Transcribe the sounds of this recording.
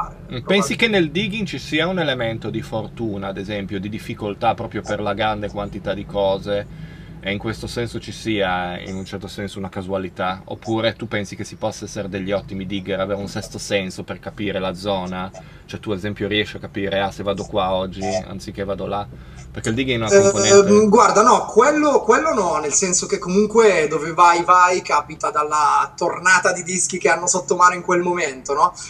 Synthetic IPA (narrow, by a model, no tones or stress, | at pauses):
pɛnsikenːeld̪iɡiŋt͡ʃisiːaunelement̪od̪ifort̪uːnaːd̪ezɛmpjod̪id̪ifːikolt̪apːɾɔːpɾjoperlaɡɾand̪ekwant̪it̪ad̪ikɔːze | eiŋkwest̪osɛnsot͡ʃisiːaḭnunt͡ʃɛrt̪osɛnsounakazualit̪ao̰pːuːɾet̪upɛnsikesipɔsːaɛsːeɾed̪eʎːiɔt̪ːimid̪iɡeɾaveːɾeunsɛst̪osɛnsoperkapiːɾelad̪zɔːna | t͡ʃoɛt̪ːuad̪ezɛmpjoɾiɛʃːiakːapiːɾeasevːaːd̪okwaɔd͡ʒːia̰nt̪sikːevaːd̪ola | perkeild̪iɡenon | ɡward̪anɔkwelːokwelːonɔnelsɛnsok̟ekːomuŋkwed̪oːvevajvajkaːpit̪ad̪alːat̪ornaːt̪ad̪id̪isk̟ikeanːosot̪ːomaːnoiŋkwelmoment̪onɔ